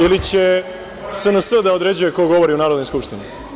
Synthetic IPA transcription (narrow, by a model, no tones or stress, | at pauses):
ilit͡ɕe̞ | sənəsəd̪aod̪ɾe̞d͡ʑujeko̞ɡo̞ʋoɾiunaːɾod̪nojskupʃt̪inu